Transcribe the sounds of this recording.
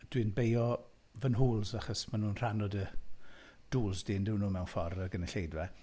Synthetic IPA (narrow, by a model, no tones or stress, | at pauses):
d̥winbejɔ | vənɦuːlˠzaχɔsmanuːnr̥anɔdə | d̥uːlˠzdɪːndɪwnuːmɛwnfɔrəɡənɛɬejdvɛ